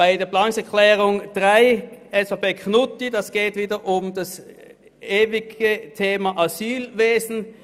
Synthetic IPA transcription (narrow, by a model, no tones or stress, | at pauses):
aɪdeːɐplaːnŋsɛɐklɛːʁʊŋd̥ʁaɪʔɛsapeːkʰnʊtidɑsɡ̥eːtviːdəʔʊmdas | ʔeːvɪɡətʰeːmaʔazyːlveːzn̩